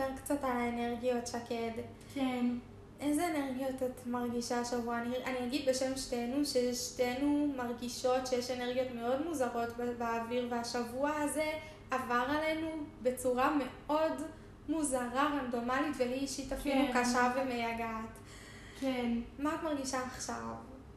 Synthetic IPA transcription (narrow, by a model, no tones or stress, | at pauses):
peʁkt͡satalaeneʁɡijo̞tʃaked | k | ezeːneʁɡijo̞tatmaʁɡiʃaʃavuaniʔaniaɡidbe̞ʃemʃtenuʃeʃtenumaʁɡiʃo̞tʃejeʃe̞neʁɡijo̞tme̞o̞dmuzaʁo̞tbeaviʁveaʃavuaaze̞ | avaʁale̞nube̞t͡suʁame̞ | o̞d | muzaʁaʁando̞malitveɦiʃitafilukaʃavemejaɡat | kenmatmaʁɡiʃaːχʃav